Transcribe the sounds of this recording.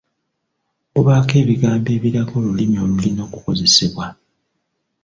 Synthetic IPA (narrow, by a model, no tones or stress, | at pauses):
buβaːke̞ːβiɡaːmbe̞ːβiɾaɡo̞ːlulimio̞ːlulino̞ːkuko̞ze̞seβwa